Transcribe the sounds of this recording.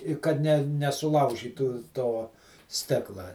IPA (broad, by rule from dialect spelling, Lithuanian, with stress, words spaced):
ɪ ˈkɐt nʲɛ nʲɛsʊˈlˠɐʊʒʲiːtuː ˈtoː ˈsʲtʲɪklˠɐ